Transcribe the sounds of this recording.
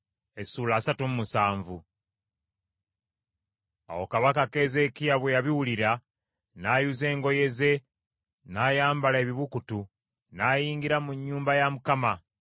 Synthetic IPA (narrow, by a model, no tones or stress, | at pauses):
e̞suːlaːsatumumusaːɱvu | a̰wo̞kaβakake̞ze̞kijaβwejaβiwuliɾa | naːjuze̞ːŋɡo̞je̞ze̞ | naːjaːmbalae̞βiβukutu | naːjiːŋɡiɾamuɲːuːmbajamukama